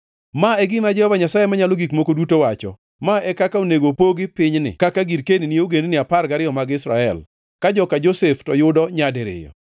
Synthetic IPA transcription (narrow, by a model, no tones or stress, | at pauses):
maɛɡɪmad͡ʒɛhɔvaɲasajemaɲaloɡikmokodutowat͡ʃɔ̰ | maɛkakaoneɡopoɡɪpɪɲnɪ̰kakaɡiɾkeninieoɡenenɪaparɡaɾɪjɔmaɡɪsɾa̰ɛl | kad͡ʒɔkad͡ʒoseftɔjʊdɔɲadɛɾɪ̰jɔ̰